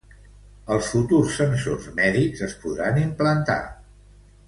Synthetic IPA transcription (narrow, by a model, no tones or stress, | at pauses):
əlˠsfut̪ursːənsorzmɛðikzəspuðɾanimplənt̪a̰